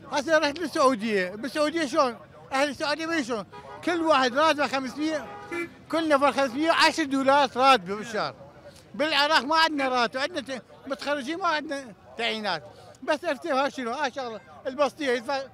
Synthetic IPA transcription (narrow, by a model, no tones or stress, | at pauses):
has̬aɾˤɑħt̪lɪsːʊʕuːd̪ɪjːabɪsːʊʕuːd̪ɪjːaʃ̬loːn | ʔahlsːʊʕuːd̪jamiːʃ̬oːnkɪlːwaːħəd̪ɾˤɑːt̪̚baxamsmɪjːa | kʊlːnafɑɾˤxams̬mɪjːaʕaʃɾˤd̪uːlɑːɾˤt̪ɾˤɑːt̪̚babɪʃɑ̰ːɾˤ | bɪlʕɪɾˤɑːqmaʕɪd̪naɾˤɑːt̪abʕɪd̪na | mʊt̪ḁxarːɪd͡ʒiːnmaʕɪd̪nat̪aʕjiːnaːt̪basːʔaft̪eːhaːʃɪnuʔaʃalːɪlbɑsˤt̪ˤɨjːajət̪fa